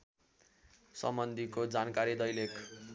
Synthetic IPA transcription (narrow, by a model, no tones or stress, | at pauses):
sʌmbʌnd̪ʱikod͡zankaɾid̪ʌjlek